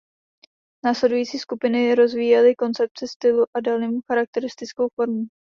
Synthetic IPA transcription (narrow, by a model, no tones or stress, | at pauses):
naːslɛdujiːt͡siːskupɪnɪɾo̞zviːjɛlɪko̞nt͡sɛp̚t͡sɪst̪ɪluʔadalniːmxaɾak̚t̪ɛɾɪst̪ɪt͡sko̞wfo̞ɾmu